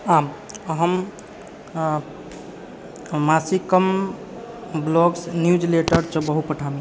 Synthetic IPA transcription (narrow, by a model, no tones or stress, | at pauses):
am | ɦəm | asikəm | blɔɡsnjud͡ʒleʈəɾt͡ʃɔbəɦupəʈʰame